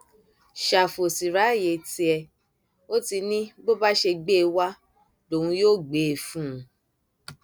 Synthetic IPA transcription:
ʃa˨fo˨si˨ɾa˨˦˨je˨ti˧ɛ˧ | o˦ti˧nĩ˦ɡ͡bo˦ba˦ʃe˧ɡ͡be˦˧wa˦ | do˨ũ˧joː˦˨ɡ͡beː˨fũ˦˨˧

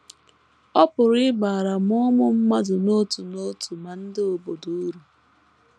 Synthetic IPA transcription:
ɔ˦pʊ˨ɾɪ˦ba˨ɾa˨mʊ˦mʊ˦m̩˦ma˦dʊ˨no˦tu˨no˦tu˨ma˨n̩˦dɪ˦o˨bo˨du˦ɾu˨

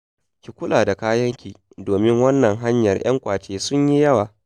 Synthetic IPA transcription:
kʲi˨kʷʊ˦laː˨da˨kaː˦jɐ˦ŋkʲiː˨ | doː˨mɪ˦ŋwɐ˦nːɐ˨ŋɦa˦ɲjɐ˨rj̰ɐ̰˦ŋkʷaː˨t͡ʃeː˦sʊ˦ɲji˦jɐ˦waː˨

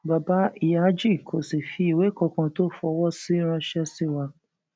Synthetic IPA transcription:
ba˨ba˧˦i˨ja˨˦d͡ʒi˦˨kʰo˨si˨fi˨˦i˨we˨˦kɔ˧kã˧to˦˨fɔ˧wɔ˦˨si˦ɾ̃ã˧ʃɛ˦si˦˨wa˧

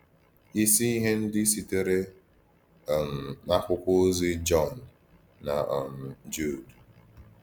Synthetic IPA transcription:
i˦si˦i˦ɦe˦n̩˦dɪ˦si˦te˦ɾe˦˨ | m̩˨na˦kʷʊ˦kʷʊ˦zi˦d͡ʒɔ˦˨nː˨ | a˨ʔɔ˨m̩˨d͡ʒu˦˨d

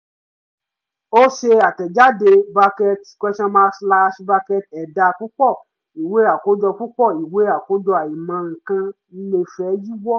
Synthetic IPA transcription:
o˦ʃe˧a˨tɛ˨d͡ʒa˦de˧ba˧kɛ˧tkʷɛ˦ʃã˧mãː˧˦sla˧˦ʃba˧kɛ˧t̚ɛ˨da˧˨ku˦k͡pɔ˦˨ | i˨we˨˦a˨ko˨˦d͡ʒɔ˧ku˦k͡pɔ˦˨i˨we˨˦a˨ko˦d͡ʒɔ˧a˨ji˨mã˨˧˦ŋ̩˧kã˧ | i˦le˧fɛ˨˦d͡ʒi˦ɡ͡bɔ˦˨

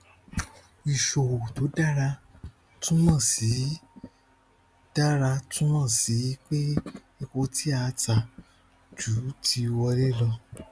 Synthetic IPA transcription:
i˨ʃo˨o˨to˨˦da˦˨ɾa˧ | tũ˦mã˦˨si˨˦ | d̥a˦ɾa˧tũ˦mã˦˨si˨˦k͡pe˦ | i˧ko˧ti˦a˧˦ta˨ | d͡ʒu˨˦tʰi˧wɔ˧ɾe˦lɔ˧

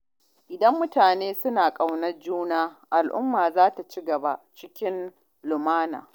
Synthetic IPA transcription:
ʔɪ˨dɐ˦mːʊ˦taː˨neː˦sʊ˦naː˨kʼa˦˨wnɐ˦rd͡ʒuː˦naː˦ʔa˨lʔʊ̰˦mːaː˨zaː˦ta˨t͡ʃi˦ɡɐ˨ba˦t͡ʃɪ˦kʲɪ˦n | lʊ˨maː˦na̰ː˨

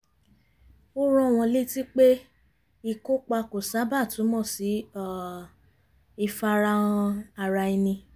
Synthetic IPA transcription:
o˦ɾɔ̃˧˨w̃ɔ̃˧le˦ti˦k͡pe˦ | i˧ko˦k͡pa˧ko˨sa˨˦ba˦˨tũ˨˦mɔ̃˦˨si˨˦a˦˨ | i˧fa˧ɾa˧ɔ̃˧a˧ɾa˧i˧nĩ˧

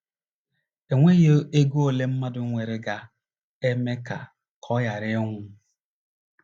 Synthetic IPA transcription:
e˨ŋʷe˦je˦e˦ɡo˦o˦˨le˦m̩˦ma˦dʊ˨˦ŋʷe˨ɾɪ˨ɡa˨ | e˦me˦ka˨ | kʰɔ˦ja˨ɾɪ˦ŋʷʊ˦

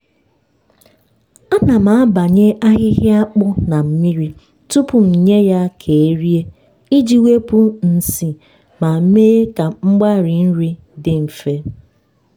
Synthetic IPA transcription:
a˦na˨ma˨a˦ba˨ɲe˦ʔa˦ɣɪ˦ɣɪ˦a˦k͡pʊ˦na˨m̩˦mi˦ɾi˦ | tu˦pʊ˨n̩˨ɲe˦ja˦kʰe˨e˦ɾi˦e˦ | i˦d͡ʒi˦we˦pu˦n̩˦si˦ | ma˨˦me˦ka˨ŋ͡m̩˦ɡ͡ba˦˨ɾɪ˨n̩˦ɾi˦ | dɪ˨m̩˨fe˦

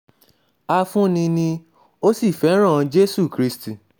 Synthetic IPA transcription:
a˧fũ˦nĩ˧nĩ˧ | o˦si˦˨fɛ˨˦ɾ̃ã˦˨˧d͡ʒe˦su˦˨kɾi˨˦sti˦˨

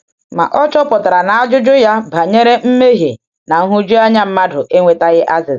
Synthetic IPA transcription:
ma̰˨ʔɔ˦t͡ʃɔ˦pʊ˨ta˨ɾa˨na˨a˦d͡ʒʊ˦d͡ʒʊ˦ja˦ba˨ɲe˦ɾe˦m̩˦me˦ɦe˨ | na˨ŋ̩˦ɦʊ˦d͡ʒu˦a˦ɲa˦m̩˦ma˦dʊ˨ʔe˦ŋʷe˦ta˦ɣɪ˦ʔa˦zɪ˨z

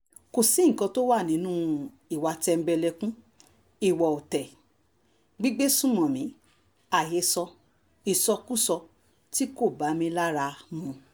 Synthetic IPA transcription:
ko˨sĩ˨˦ŋ̩˨kɔ̃˧to˦wa˦˨nĩ˨˦nũ˦ | i˨wa˧tɛ˧m̩˦bɛ˧lɛ˧kũ˦ | i˦˨wɔ˨o˨tɛ˨ | ɡ͡bi˦ɡ͡be˦sũ˦˨mɔ̃˨mĩ˨˦ | a˨je˨˧sɔ˧ | i˨sɔ˧ku˦sɔ˧ | ti˦ko˦˨ba˨˦mĩ˧la˦ɾa˧mũ˧

